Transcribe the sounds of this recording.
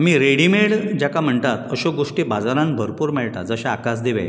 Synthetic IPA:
amiɾeɽimeɭd͡ʑjakam̤əɳt̪at̪əɕoɡoʂʈebad͡zaɾãnbʱəɾpuːɾmeɭt̪a̰d͡zəɕaakas̬d̪eʋḛj

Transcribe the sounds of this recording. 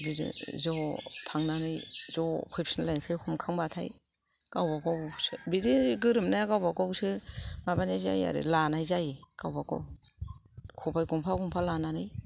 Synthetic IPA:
bidḭzɔtʰaŋnanɯjzɔkʰupsinlajnsɯhʰumkʰaŋbatʰaj | kawbakɔwsɯbidiɡɯɾɯmnajakawbakɔwsɯmabanajza̰ja̰ɾɯ̰lanajzajkawbakɔ̰w | kʰubajkɔmpʰaɡɔmpʰalananɯj

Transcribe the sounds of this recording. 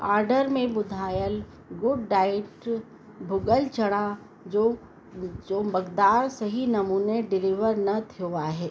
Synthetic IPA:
aːɾɖəɾmẽbʊd̪ʱaːjəl | ɡʊɖːaːɪʈ | bʱʊɡəlt͡ʃɐɽ̃ã | d͡ʒo | d͡ʒoːbɐɡd̪aːɾsɐɦinɐmuːneɖɪlɪʋəɾnɐt̪ʰoaɦɛː

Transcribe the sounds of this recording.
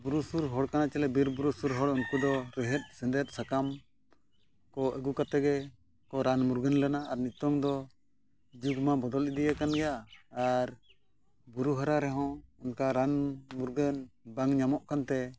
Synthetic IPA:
buɾusuɾɦɔɽkanat͡ʃɛlɛbiɾbuɾusuɾɦɔɽunkud̪ɔɾɛɦɛt̪̚ˀsɛnd̪ɛt̪̚ˀsakam | kɔʔɛɡukat̪ɛɡɛ | kɔɾanmuɾɡənlɛnaaɾnit̪ɔŋd̪ɔ | d͡ʒuɡmabɔd̪ɔlid̪ijakanɡɛjaː | ɾ | buɾuɦaɾaɾɛɦɔ̃ɛnkaɾanmuɾɡənbaŋɲamɔʔkant̪ɛ

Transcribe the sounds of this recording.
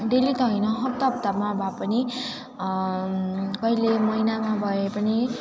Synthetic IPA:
d̪elit̪ʌɦjnʌɦʌpt̪ʌp̚t̪amabʱapʌni | kʌilemʌjnamabʱʌepʌni

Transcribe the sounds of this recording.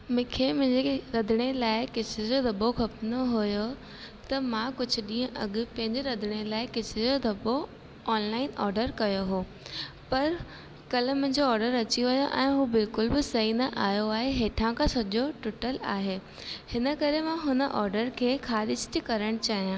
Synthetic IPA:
mɪkʰemʊ̃ɦɪ̃ɲd͡ʑeɾɐd̪ʱɪɽ̃elaːɪkɪsʰed͡ʑod̪ʱɐɓoxɐpnoɦʊjo | t̪ɐmãkʊd͡ʑʱʊ̆ɗĩːə̃ʔɐɠ̆pɐ̃ɦɪ̃ɲd͡ʑeɾɐd̪ʱɪɽ̃elaːɪkɪsʰɪd͡ʑod̪ʱɐbo | ɔːnlaːɪnɔ̰ːɾɖəɾkɐjoɦoː | pɐɾ | kɐl̤mʊ̃ɦɪ̃ɲd͡ʑoɔːɾɖəɾɐt͡ɕiʋɐjoʔɛ̃ːɦuːbɪlkʊlbɪsɐɦinɐʔaːjoaːɦeɦeːʈʰãkʰãsɐʄoʈʊʈəlaːɦeː | hɪnə̆kɐɾemãɦʊnəʔɔːɾɖəɾkʰeːkʰaːɗɪd͡ʑʰɪ̥t̪ʰikɐɾəɽ̃t͡ɕaːɦijãː

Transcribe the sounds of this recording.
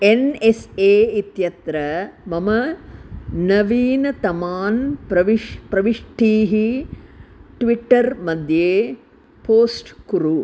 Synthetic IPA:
eneseːit̪jɐt̪ɾɐmɐmɐ | nɐʋiːnɐt̪ɐmaːnpɾɐʋipɾɐʋiʂʈʰiːɦi | ʈʋiʈːɐɾmɐd̪ʱjeː | poːsʈkuɾu

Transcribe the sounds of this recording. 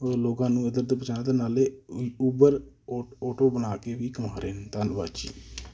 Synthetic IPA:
loːɡãːnũːəd̪əɾd̪əpət͡ʃaːnãːd̪aːnaːleːubəɾ | ɔːʈoːbənaːkeːʋiːkəmaːɾeːnt̪anba̰ːt͡ʃḭː

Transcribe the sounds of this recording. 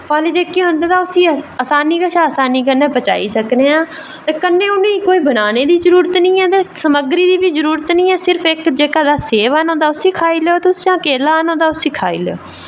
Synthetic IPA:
paːleːd͡ʒeːkeːɦʊ̃nd̪aːt̪aːʊsĩːəsaːniːkəʃaːəsaːniːkənːẽːpət͡ʃa̰ːḭːsəkneːãː | t̪eːkənːẽːʊnẽːiːkoːiːbənaːneːd̪iːzəɾuːɾət̪nĩːɛːt̪eːsəməɡɾiːd̪iːʋiːzəɾuːɾət̪nĩːɛːsɪɾpʰɪkd͡ʒeːkad̪aːseːʋənõːd̪aːʊsĩːkʰaːiːleːoːt̪ʊsãːkeːlaːɦənõːd̪aːʊsĩːkʰaːḭːlḛoː

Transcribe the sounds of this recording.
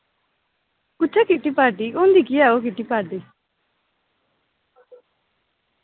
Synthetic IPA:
kʊt͡ʃʰakiʈipaɾʈiond̪ikiaok̬iʈipaɾʈi

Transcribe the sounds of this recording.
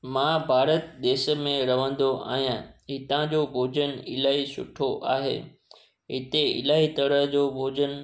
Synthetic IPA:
mãbʱaːɾət̪ɗ̪eːʃ̆mẽɾɐʋə̃n̆d̪oʔa̰ːɦijãɦɪt̪ãd͡ʑobʱoːd͡ʑənɪlaːɦisʊ̰ʈʰoʔa̰ːɦḛː | ɦɪt̪eɪ̰laːɦit̪ɐɽəɦd͡ʑobʱoːd͡ʑən

